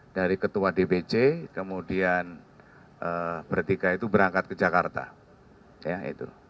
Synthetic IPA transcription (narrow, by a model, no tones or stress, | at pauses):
daɾikət̪uadebed͡ʒekəmudian | ʔəb̥ərt̪ikait̪ubəɾaŋkat̪̚kəd͡ʒakart̪a̰ | jaḭt̪ṵ